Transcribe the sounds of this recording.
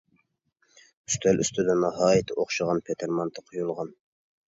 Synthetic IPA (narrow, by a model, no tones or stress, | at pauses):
yst̪ʰɛlʔy̰st̪ʰɪd̪ɛnɑɦɑːjɪt̪ʰɪʔoχʃəʁɑnpʰet̪ʰɪɾmɑnt̪ʰɑqʰojulˠʁɑn